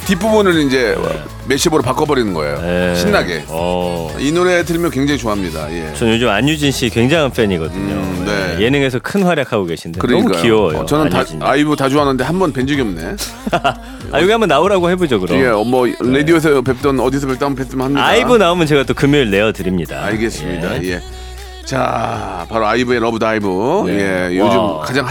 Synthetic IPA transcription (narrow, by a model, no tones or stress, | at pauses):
tipʰubunɯɾind͡ʑe̞̰ | meɕʰiboɾopak͈ʌbʌɾinɯnɡʌḛjo̰neɕinːaɡe̞̰ʌinuɾetʰɯɾimjʌnkwe̞ŋd͡ʑaŋit͡ɕoamɲida̰jḛt͡ɕʌnjod͡ʑɯmaɲjud͡ʑinɕʰikwe̞ŋd͡ʑaŋʰɯnpʰeɲiɡʌdɯɲo̰neje̞nɯŋe̞s̬ʰʌkʰɯnɸwaɾjakʰaɡoɡe̞ɕʰindekɯɾʌɲimuk͈ːkioʌjo̰ʌnɯntaiaibutad͡ʑuɦanɯnde̞hambʌnpend͡ʑuɡjʌmune̞ | a̰joɡiɦambʌnːaoɾaɡohe̞bod͡ʑʌɡɯɾojemʌɾedioesʰʌpep̚t͈ʌnʌdisʰʌpep̚t͈ambʌpes͈ɯmɯnhamɲiaibɯnaomjɯnt͡ɕe̞ɡat͈okɯmjʌɾɯɭne̞ʌtɯɾimɲida̰aɭɡes͈ɯmɲidaje̞ | t͡ɕa̰paɾoaibue̞ɾʌbɯdaibuje̞jod͡ʑɯmkad͡ʑaŋ